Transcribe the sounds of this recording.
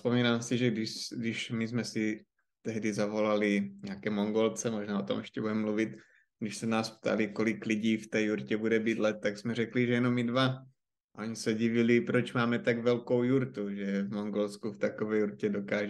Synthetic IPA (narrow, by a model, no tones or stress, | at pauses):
spomiːnaːmsiʒɛɡdɪʃɡdɪʃmizmɛsi | t̪ɛɦdizavo̞laliɲɛakɛːmoŋɡolt͡sɛmoʒnaːo̞̰t̪omɛʃcɛbudɛmmluvit̪ | ɡdɪʃsɛnaːspt̪ʰa̰likolikliɟiːft̪ɛːjuɾcɛbudɛbiːd̪lɛt̪̚ːaɡsmɛɾɛkliʒɛjɛno̞midva | aʔoɲisɛɟivilipɾot͡ʃmaːmɛt̪aɡvɛlkowjuɾt̪uʒɛvmoŋɡolskuft̪akovɛːjuɾcɛdokaːʒɛ